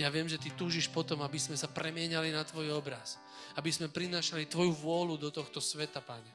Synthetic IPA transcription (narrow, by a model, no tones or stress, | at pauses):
jaʋɪɛmʒɛt̪it̪uːʒiʃpɔt̪ɔmabizmɛsapɾɛmɪɛɲalinat̪ʋɔjɔbɾas | abizmɛpɾinaːʃalit̪ʋɔjuʋʊɔlud̪ɔt̪ɔxt̪ɔsʋɛt̪apaɲɛ